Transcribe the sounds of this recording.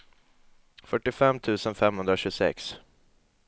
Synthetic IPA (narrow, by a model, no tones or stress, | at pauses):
fœʈːɪfɛmːt̪ʰʉ̟ːsənfɛmhɵnd̪ɾaɕɵsɛ̰ks